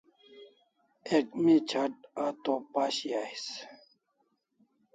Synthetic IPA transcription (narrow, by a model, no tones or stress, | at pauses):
ekmit͡ɕʰaʈ̚aːt̪opaːɕiaːis